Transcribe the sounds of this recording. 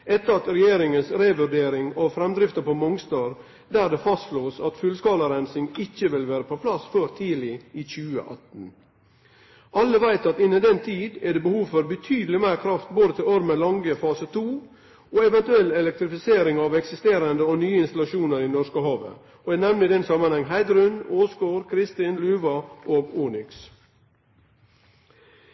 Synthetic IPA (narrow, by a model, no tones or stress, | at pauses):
ʔɛt̪ːəɾɑt̪ɾɛjeːɾɪŋənsɾeʋʉɾɖeːɾɪŋɑfɾɛmd̪ɾɪft̪əpɔmʊŋst̪ɑːɾ | d̪æːɾd̪ɛfɑst̪sloːsɑt̪fʉlskɑːləɾænsɪŋɪçːəʋɪlʋæːɾəpʰɔpʰlɑsføːɾt̪ʰiːlɪiːçʉːə̰ʔɑ̰t̪n̩ | ʔɑlːəʋæɪt̪ɑt̪ɪnːəd̪ɛnt̪ʰiːd̪ɛɖɛbəhuːʋfɔɾbət̪ʰyːd̪lɪmæɪɾkʰɾɑft̪̚boːd̪ət̪ɪloːɾəmɛlɑŋɡəfɑːsət̪ʰuː | oːɛʋɛnt̪ʉɛlːɛlɛk̚t̪ɾɪfɪseːɾɪŋɑːʋɛksɪst̪eːɾənd̪əoːnyːəɪnst̪ɑlɑʃuːnəɾinɔʂkəhɑːʋə̰ | oɛːnɛʋnɪd̪ɛnsɑmənhɛŋːɦæɪd̪ɾʉnoːsɡoːɾkʰɾɪst̪ɪnlʉːʋɑʔoːɡuːnʏks